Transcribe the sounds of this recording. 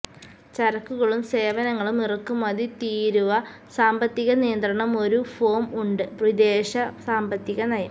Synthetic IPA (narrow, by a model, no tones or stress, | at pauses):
t͡ɕɐɾɐkːuɣɐɭumse̞ːʋɐnɐŋːɐɭumirɐkːumɐðit̪iːɾuʋɐ | saːmbɐt̪ːiɣɐnijɐnd̪rɐɳɐmo̞ɾufo̞ːmuɳɖɨprid̪e̞ːɕɐsaːmbɐt̪ːiɣɐnɐjɐ